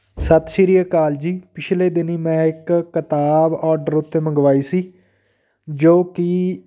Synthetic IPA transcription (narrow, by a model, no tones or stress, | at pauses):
sət̪ʃɪɾijəkaːld͡ʒiːpɪt͡ʃʰleːd̪ɪniːmɛ̃ːɪkːət̪aːbɔːɾɖəɾʊt̪ːeːməŋɡʋaːiːsiː | d͡ʒoːkɪ